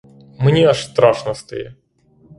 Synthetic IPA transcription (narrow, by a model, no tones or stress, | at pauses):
mnʲeɐʂst̪ɾaʂnɐst̪ɨ̰jɛ